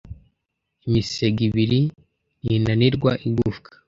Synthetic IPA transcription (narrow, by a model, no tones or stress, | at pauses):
imiseɡiβiɾi | jinaniɾɡwaʔiɡufkḁ